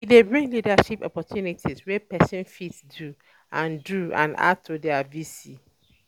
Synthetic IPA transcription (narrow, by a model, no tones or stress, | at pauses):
widebɹĩŋɡlidaʃipɔ̰pɔtʰjunitʰiswɛpɛsɔ̃nfitsdu | ãnduã̰na̰d̚tʰudɛavisi